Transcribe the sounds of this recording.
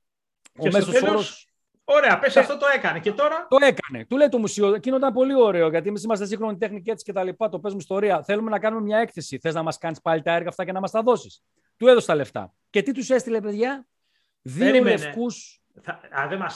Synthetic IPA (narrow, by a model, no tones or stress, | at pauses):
omessooɾos | oɾeɐpesɐft̪ot̪o̞e̞kɐnecet̪o̞ɾɐt̪oe̞kɐne̞̰t̪ule̞jt̪o̞musioecineot̪ɐmpo̞lio̞ɾe̞oʝɐt̪iemisimɐs̬t̪esiŋxɾo̞nit̪e̞xnice̞t̪si̥cet̪ɐlipɐt̪o̞pe̞zmuist̪o̞ɾiɐθe̞lume̞nɐkɐnume̞mɲɐe̞kθe̞siθe̞znɐmɐskɐnispɐlit̪ɐeɾɣɐːft̪ɐcenɐmɐst̪ɐðo̞si̥s | t̪ueðost̪ɐle̞ft̪ɐ̰ | ce̞t̪it̪usest̪ile̞pe̞ðʝɐ | ðiollefkus | ɐðemɐ